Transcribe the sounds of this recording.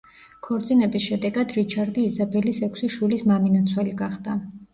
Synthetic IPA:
kʰɔɾd̪zʼinɛbisʃɛd̪ɛɡad̪ɾit͡ʃʰaɾd̪iːzabɛlisɛkʰʷsiʃwilismaminat̪sʰwaliɡaχd̪a

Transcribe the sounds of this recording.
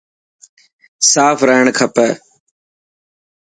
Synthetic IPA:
saːpʰɾəɦəɳkʰəpə

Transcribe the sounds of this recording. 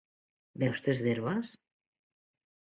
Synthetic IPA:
bɛwst̪ezðeɾβas

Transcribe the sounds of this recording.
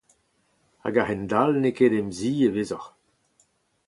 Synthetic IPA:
a̰ɡaʁɛnd̪alnekeːd̪ɛmziːeveːzɔʁ

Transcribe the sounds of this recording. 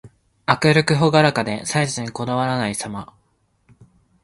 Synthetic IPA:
akɯ̟ɾɯ̟kɯ̟ɦoɡaɾakad̪e̞saizĩɲŋko̞d̪aβaɾanaisama

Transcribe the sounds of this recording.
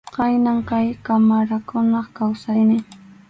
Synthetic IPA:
qɑjnaŋkajkamaɾakʊnɑχkawsajnɪ

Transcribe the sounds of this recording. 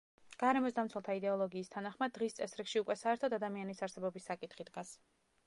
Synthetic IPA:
ɡ̥aɾɛmɔsd̪amt̪sʰwɛlˠt̪ʰaid̪ɛɔlˠɔɡiːst̪ʰanaχmad̪̚ːʁist̪sʼɛsɾikʃiukʼwɛsaɛɾt̪ʰɔd̪ad̪amianisaɾsɛbɔbisːakʼit̪χid̪ɡas

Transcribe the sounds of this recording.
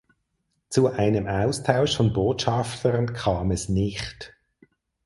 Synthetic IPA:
t͡suʔaɪnəmaʊstʰaʊʃfɔnboːtʃaftʰəɾənkʰaːmɛsnɪχt

